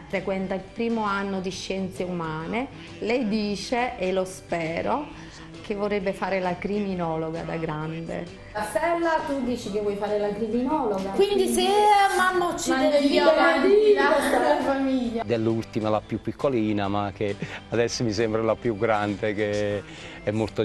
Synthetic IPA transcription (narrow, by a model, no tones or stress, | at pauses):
fɾekwɛnt̪ailpɾiːmoanːod̪iʃːɛnt̪seumaːne | lɛjd̪iːt͡ʃeʔelospɛːɾo | kevːorːebːefaːɾelakɾiminɔːloɡa̰d̪a̰ɡɾand̪ḛ | lasɛllat̪ud̪iːt͡ʃikevːwɔjfaːɾelakɾiminɔːloɡakwind̪iseamanːot͡ʃːiaeioad̪inaaaafamiʎːad̪elːult̪imalapjupːikːoliːnamakːead̪ɛsːomisɛmbɾalapjuɡɾand̪eke | ɛmːolt̪o